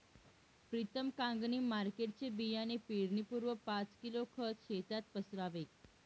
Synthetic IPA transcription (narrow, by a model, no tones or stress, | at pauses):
pɾit̪əmkãŋɡniːmaɾkeʈ̚t͡ɕebijanepiɽnipuɾʋəpat͡skilokʰət̪ɕet̪at̪̚pəsɾaʋek̚